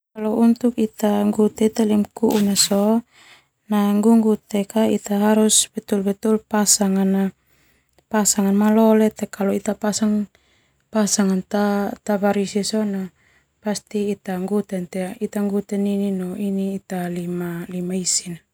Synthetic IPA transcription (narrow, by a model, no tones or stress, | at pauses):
kalount̪ukit̪aŋɡut̪ɛt̪ɛlimkuʔunaso | naŋɡuŋɡut̪ɛkait̪aɦaɾusbɛt̪ulbɛt̪ulpasaŋana | pasaŋanmalɔlɛt̪ɛkaloit̪apasaŋ | pasaŋant̪at̪aβaɾisisona | past̪iːt̪aŋɡut̪ɛnt̪ɛit̪aŋɡut̪ɛnininɔiniːt̪alimalimaisina